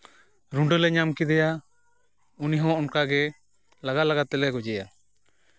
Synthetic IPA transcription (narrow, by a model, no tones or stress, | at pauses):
ɾuɳɖɔlɛɲamkid̪ɛja | uniɦɔ̃ɔnkaɡɛ | laɡalaɡat̪ːɛlɛɡɔd͡ʒɛja